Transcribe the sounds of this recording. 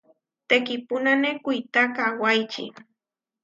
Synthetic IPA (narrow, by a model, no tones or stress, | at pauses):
t̪ekɪpʊnanekʊjt̪akawajt͡ʃɪ̰